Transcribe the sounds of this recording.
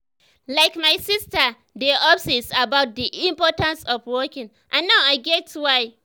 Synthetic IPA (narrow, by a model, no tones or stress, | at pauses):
laɪkmaɪsistə | deʔɔfsisabaʊt̚diʔĩmpɔtãnsɔfwɔkɪ̃ŋ | ʔãnːaʊaɪɡɛtʰwaɪ